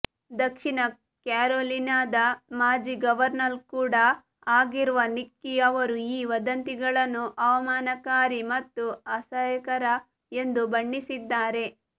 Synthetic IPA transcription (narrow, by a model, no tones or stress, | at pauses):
d̪ɐkʂiɳɐ | kaːɾoːlinaːd̪ɐmaːd͡ʒiɡɐʋɐɾnɐɾkuːɽɐ | aːɡiɾuʋɐnikːiɐʋɐɾuiːʋɐd̪ɐnt̪iɡɐɭɐnːuʔɐʋɐmaːnɐkaːɾimɐt̪ːuɐsɐjɐkɐɾɐ | e̞nd̪ubɐɳːisid̪ːaːɾe̞